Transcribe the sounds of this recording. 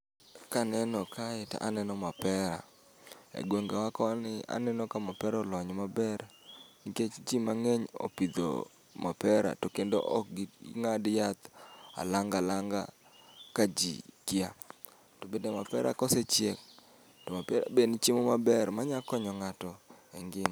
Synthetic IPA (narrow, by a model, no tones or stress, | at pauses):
kanɛnɔkaɪta̰ʔanɛnɔmapɛɾa̰ | ḛɡwoŋɡewakɔnɪa̰nɛnɔkamapɛɾaɔlɔɲmabɛrniket͡ʃt͡ʃimaŋeɲo̰pid̪o̰ | mapɛɾa̰tokendo̰ʔɔkɡɪŋadjat̪a̰laŋɡalaŋɡa̰ | kad͡ʒḭkɪa | tobedemapɛ̰ɾa̰kɔset͡ʃjek̚ | tɔmapɛɾa̰benit͡ʃimɔmabɛrmaɲakɔɲɔŋatɔɛŋɡɪm